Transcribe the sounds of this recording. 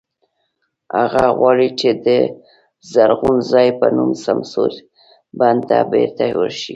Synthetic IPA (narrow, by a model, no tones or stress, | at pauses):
haɣaɣwɑɽit͡ʃed̪ə | zaɾɣunzɑjpənumsamsoɾ | band̪t̪a̰beɾt̪awəɾʃi